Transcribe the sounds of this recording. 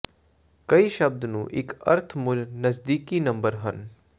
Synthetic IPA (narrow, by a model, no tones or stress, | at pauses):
kɐiʃɐb̚d̪nũːʔɪkɐ̰ɾt̪ʰmʊlnəzd̪iːkinɐ̃mbəɾɦən